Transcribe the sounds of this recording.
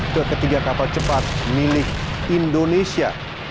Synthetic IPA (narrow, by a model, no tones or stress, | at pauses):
kərkət̪iɡakapalt͡ʃəpat̪̚milɪkindonesia̰